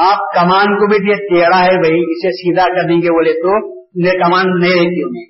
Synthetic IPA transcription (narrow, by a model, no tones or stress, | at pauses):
aːp̚kɐmaːnkobʱit̪et̪eːɽaɦɛbʱɐiɪsesiːd̪akɐɾd̪ẽɡeʋoleːt̪o | nekɐmaːnːɐĩɾek̪iũmẽː